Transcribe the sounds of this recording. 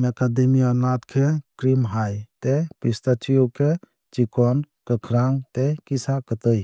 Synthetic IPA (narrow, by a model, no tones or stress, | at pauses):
mekad̪emiɔnat̪kʰekɾimɦajt̪epist̪at͡ʃijokʰe | t͡ʃikɔnkəkʰɾaŋɡt̪ekisakət̪əj